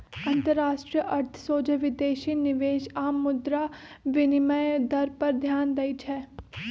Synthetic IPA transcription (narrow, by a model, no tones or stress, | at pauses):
ɐ̃nt̪əɾːaːʃʈɾijəʔɐɾt̪ʰsoːd͡ʒəʋɪd̪eːʃinɪʋeːʃaːmːʊd̪ɾa | ʋɪnɪməjd̪ɐɾpɐɾd̪ʱjaːnd̪ɐit͡ʃʰɛː